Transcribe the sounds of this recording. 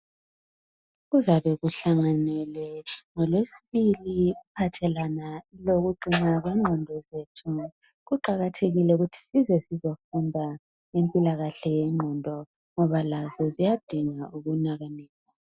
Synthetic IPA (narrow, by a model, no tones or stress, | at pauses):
ɣuzaβɛɣuɬaŋanɛlwɛŋɔlwesiβiliupʰatʰɛlwanailoɣuǃʱiŋ͡ǀaɣwɛŋ͡ǃʱɔndʱɔzetʰu | ɣuǃaɣatʰeɣilɛuɣutʰi̥sizɛsizɔfundʱa | empʼilaɣaɬɛjɛŋ͡ǃʱɔndʱɔ | ŋɔβalazɔzijad̥ʱiŋauɣunaɣaneːza